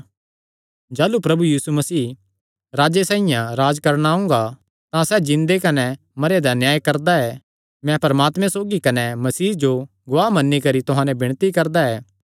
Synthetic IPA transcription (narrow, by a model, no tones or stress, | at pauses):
d͡ʒaːlupɾɐbujiːsumɐsiː | ɾaːd͡ʒesãːijãɾaːd͡ʒkɐɾɽ̃aɦʊ̃ŋ̆ɡa | t̪ãsɛd͡ʒɪ̃nd̪ekɐnɛ | mɐɾed̪anjaːjkɐɾd̪aɛ | mɛ̃pɐɾɐmaːt̪mɛ̃soːɡikɐnɛmɐsiːd͡ʒo | ɡʊʋaːɦmɐnːikɐɾit̪ʊɦãːnɛ̃bɪɽ̃t̪ikɐɾd̪aɛː